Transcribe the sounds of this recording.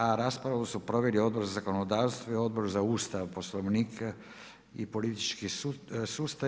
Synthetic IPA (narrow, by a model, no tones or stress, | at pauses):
aɾaspɾausupɾo̞ʋelio̞d̪̚bo̞ɾzazako̞nod̪aːʋst̪ʋoio̞d̪̚bo̞ɾzauːst̪aʋpo̞slˠoʋniːkʰa | ḭpo̞lit̪it͡ʃkisuːst̪a